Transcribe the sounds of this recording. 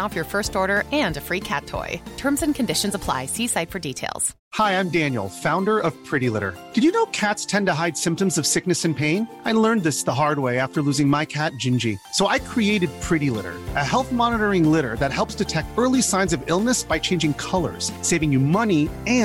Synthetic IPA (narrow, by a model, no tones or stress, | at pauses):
avjə˞fɜ˞stɔɹɾə˞ɨ̃ndɨfɹikʰæ̰tʰɔ̰ɪtʰɜ̃˞mzɨ̃nkʰɨ̃ndɪʃɨ̃n̩zəpʰl̥a̰ɪsisaɪtfə˞ditʰeɪlˠz̥ | haɪãɪ̃mdæ̃njl̩ˠfãʊ̃ndə˞ʔʌv̥pʰɹ̥ɪɾilɪ̰ɾə̰˞d̥ɨd͡ʒjɨnoʊkʰætstʰɛ̃ntɨɦaɪd̥sɪ̃mp̚tɨ̃mzʌv̥sɪk̚nɨsɨ̃npʰẽɪ̃n | aɪlɜ̃˞nðɪsðəɦɑɹd̚weɪæftə˞lʉzɪ̃ŋmaɪkʰæt̚d̥ʒ̥ɪ̃nd͡ʒisoʊʔaɪkʰɹ̥ieɪɾɨd̚pʰɹ̥ɪɾilɪ̰ɾə̰˞ʔɨɦɛlˠθmɑnəɾə˞ɪ̃ŋlɪɾə˞ðɨt̚hɛlˠpsd̥ɨtʰɛk̚tɜ˞lˠisãɪ̃nzʌvɪlˠnəsb̥aɪt͡ʃʰẽɪ̃nd͡ʒɪ̃ŋkʰʌlˠə̰˞z̥seɪvɪ̃ŋjɨmʌniɨ̃